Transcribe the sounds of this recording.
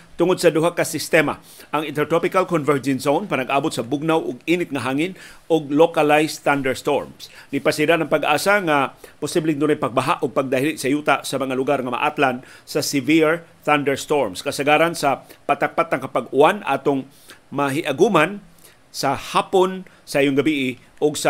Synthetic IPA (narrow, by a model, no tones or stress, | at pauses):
t̪ʊŋʊd̪̚sɐd̪ʊɦakasɪst̪ɛma̰ | ʔɐŋɪnt̪ɛɹt̪ɔpɪkalkonvɛɹd͡ʒɛnsownpanaɡʔaːbʊt̪sɐbʊɡ̚nawʔʊɡiːnɪt̪̚ŋaɦaːŋɪnʔʊɡ̚lokalajst̪and̪ɛɹst̪oɹmsɡɪpasɪdanɐŋpaɡʔaːsaŋapʊsiblɪŋd̪unajpaɡ̚baɦaʔʊɡ̚paɡ̚d̪ahilɪʔsajut̪aʔsamɐŋalʊɡaɾŋama̰ʔa̰t̪lansasɪviɹθand̪ɛɹst̪oɹmskɐsaɡaːɾansapat̪ak̚pat̪ːaŋkapaɡʊanʔa̰ːt̪ʊŋ | maɦɪʔaɡuman | sahaːpʊn | saʔijoŋɡabiʔɪ | ʔʊɡsa